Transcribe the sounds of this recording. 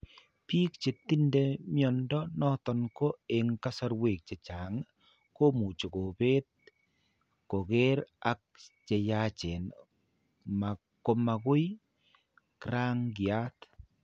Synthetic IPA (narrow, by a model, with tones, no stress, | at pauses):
pi˦k̚t͡ʃe˨ti˦nde˦mjɔ˨ndɔ˦nɔ˦tɔ˨nko˦e˨ŋka˦sɔ˦ɾwe˨k̚t͡ʃe˨t͡ʃa˨ŋ | ko˦mu˨t͡ʃo˨ko˨be˦t̚ | ko˨ke˦ɾa˦k̚t͡ʃe˨jat͡ʃe˨n | ma˨ | ko˨˦ma˨kʊ˦j | kɾa˦ŋɡja˦t